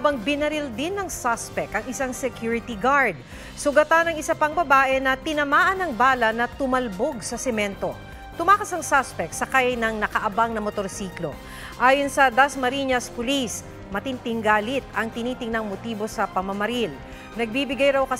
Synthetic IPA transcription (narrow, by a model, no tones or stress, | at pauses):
habɐŋbɪnɐɾɪld̪ɪnːɐŋsaspɛk̚t̪ɐŋɪsaŋsɛkjuɹɪt̪iɡaɹd̪̚ | sʊɡɐt̪anɐŋɪsapɐŋbɐbaːʔɛnɐt̪ɪnɐmaːʔɐnɐŋbaːlɐnɐt̪ʊmɐlbo̞ɡsɐsɛmɛnt̪o̞ | t̪ʊmaːkɐsɐŋsaspɛk̚t̪sɐkajjnɐŋnɐkɐʔɐbaŋnɐmot̪oɾsiːklo̞̰ | ʔaːjonsɐd̪asmɐɾiɲɐspʊlis | mɐt̪ɪnt̪ɪŋɡaːlɪt̪̚ɐŋt̪ɪniːt̪ɪŋnɐŋmot̪iːbo̞sɐpɐmɐmɐɾil | nɐɡ̚bibɪɡajɾɐwkɐ